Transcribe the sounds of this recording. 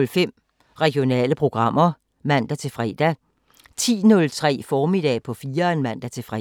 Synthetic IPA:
lfem̰ | ʁɛɡ̥jo̝nɛ̰ːləpʰʁo̝ɡ̥ʁɑ̈m̰ɐ | mæn̰d̥æt͡sʰe̝fʁɛːd̥æ | t͡sʰḭːnɔ̽lt͡sʰʁɛ̰ːfɒːmid̥ɛ̰pʰɒ̽fiːɐenmæn̰d̥æt͡sʰe̝fʁɛ

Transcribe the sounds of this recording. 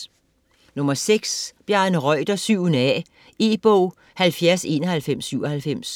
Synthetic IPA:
nɔ̽mɐseɡ̥sb̥jæɐnəʁɒɪ̰d̥ɐsyʊ̰nəɛ | e̝ːb̥ɔʊ̰ | hælfjæɐse̝̰ːnɐhælfem̰sːyʊ̰ɐhælfem̰s

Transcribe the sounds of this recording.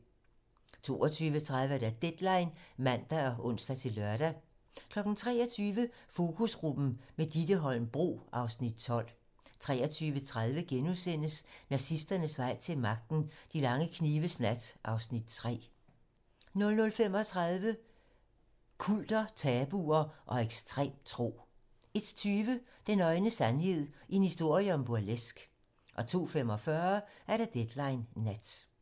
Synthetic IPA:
t͡sʰo̝ːɒt͡sʰyːʋət͡sʰʁaðˠʋəæɐɾ̥æd̥ed̥lɑ̈ɪnmæn̰d̥æɒ̽ʔɔ̽n̰sd̥æt͡sʰe̝lːœɐɾ̥æ | kʰlɒ̽ɡ̥n̩t͡sʰʁɛ̰ːɒt͡sʰyːʋəfo̝ːkʰusʁub̥n̩med̥id̥əɦɒ̽l̰n̩b̥ʁo̝̰ːʔɑ̈ʊsnid̥̚t͡sʰɒ̽l̰ | t͡sʰʁɛ̰ːɐt͡sʰyːʋət͡sʰʁaðˠʋəɡ̥enusen̰əsnæsisd̥ɐnəsʋɑ̈ɪ̰t͡sʰe̝lmɑ̈ɡ̥̚d̥n̩d̥ilɑ̈ŋəkʰniːʋəsnæd̥ʔɑ̈ʊsnid̥̚t͡sʰʁɛ̰ː | nɔ̽lnɔ̽lfem̰ɒ̽t͡sʰʁɑðˠʋə | kʰul̰d̥ɐt͡sʰɛːb̥uːɐʔɒ̽eɡ̥sd̥ʁɛ̰ːmt͡sʰʁo̝̰ː | e̝d̥t͡sʰyːʋə | d̥enɒ̽ɪnəsænɦe̝ð̞̰ˠienhisd̥o̝ɐ̰jəɒ̽mb̥uælesɡ̥ | ʔɒ̽t͡sʰo̝̰ːfem̰ɒ̽fɶːɐʔæɐɾ̥ɑ̈d̥ed̥lɑ̈ɪnːæd̥

